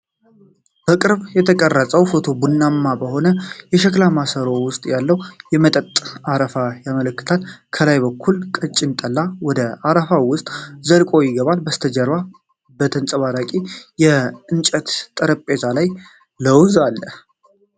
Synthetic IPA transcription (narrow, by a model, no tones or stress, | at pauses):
b̥əkʼɨɾβjɛt̪ʰəkʼərːəsʼəwfo̞t̪ʰo̞bunːamːabəho̞nəjɛʃɛklamasəɾowʊst̪ʼjalːəwjɛmət̪ʼət̪ʼaɾəfajamələkːɨ̥t̪ʰalkʰəlajbəkʰːulkʼət͡ʃʼɪnt̪ʼəlːawɔd̪əaɾəfawʊst̪ʼzəlkʼo̞jɪɡəβalbəst̪ʰəd͡ʒəɾβa | bət̪ʰənt͡sʼəβaɾakʼijɛɨnt͡ʃʼət̪t̪ʼəɾəpʼːezalaj | ləwzalːə